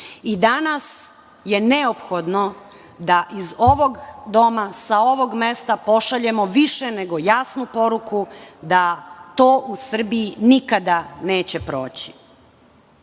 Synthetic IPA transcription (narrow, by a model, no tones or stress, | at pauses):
id̪anas | je̞ne̞opxo̞d̪no | d̪aʔizo̞ʋo̞ɡd̪o̞masao̞ʋo̞ɡmest̪apo̞ʃaʎe̞mo̞ʋiʃene̞ɡo̞jasnupo̞ɾukud̪at̪oːʔusr̩biinikad̪ane̞ːt͡ɕepɾo̞̰ːt͡ɕi̥